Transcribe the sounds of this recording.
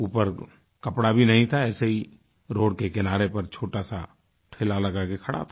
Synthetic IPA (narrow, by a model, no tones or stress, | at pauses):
uːpəɾ | kɐpɽabʱinɐɦĩt̪ʰaɛːseɦi | ɾoːɽkekɪnaːɾepɐɾt͡ʃʰoːʈasa | ʈʰɪlalɐɡakekʰɐɽa̰t̪ʰa